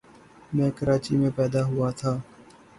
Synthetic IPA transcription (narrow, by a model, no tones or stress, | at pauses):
mɛ̃ːkəɾaːt͡ʃimẽːpɛːd̪aːɦʊaːt̪ʰaː